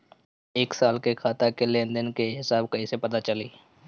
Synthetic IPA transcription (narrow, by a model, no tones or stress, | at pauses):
eːksaːlkekʰaːt̪akelẽːnd̪ənkeɦɪsaːb̚kɐisepɐt̪at͡ʃəliː